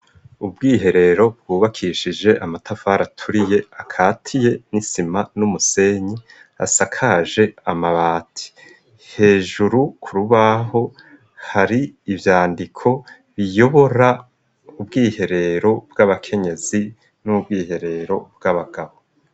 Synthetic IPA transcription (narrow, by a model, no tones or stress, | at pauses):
ubɡiːɦe̞ɾe̞ɾo̞b̚ɡ̥uːβakʰiʃid͡ʒe̞ʔamatʰafaːɾatʰuɾije̞akʰaːtʰije̞nisimanumuse̞ɲi | a̰sakʰaʒe̞amaβaːtʰi̥ | he̞ːʒuɾukʰuɾuβaɦo̞ | haɾiːvjaːndikʰo̞ | βijo̞βo̞ɾa | ubɡiːhe̞ɾe̞ɾo̞bɡaβakʰe̞ɲe̞zi | nubɡiːhe̞ɾe̞ɾo̞bɡaβaɡ̥aβo̞